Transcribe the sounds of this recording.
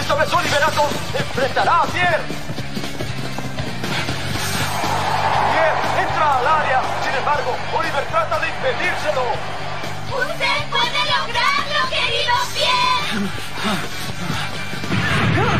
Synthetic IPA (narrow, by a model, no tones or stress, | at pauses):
st̪okesoliβeɾat̪o | eɱfɾent̪aɾaːpjeɾ | pjeɾe̞nt̪ɾaːlaɾja | sinẽ̞mbaɾɣo | oliβeɾt̪ɾat̪aðeimpeðiɾselo | ust̪ekweneloɣɾaoeioje